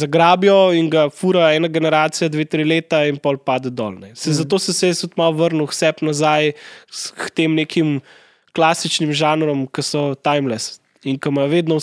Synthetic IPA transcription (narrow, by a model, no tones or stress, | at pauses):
zaɡɾaːbjɔiŋɡafuɾaɛːnaɡɛnɛɾaːt̪sijad̪ʋet̪ɾileːt̪ainpɔlpaːd̪ɛd̪ɔ̰lnɛsɛzat̪oːsɛsɛɛt̪ut̪mawʋəɾnuwsɛpnazajst̪emneːkʰim | klaːsit͡ʃnimʒaːnɾɔmkɐsɔt̪ajmlɛs | iŋkɐmaʋeːd̪nɔ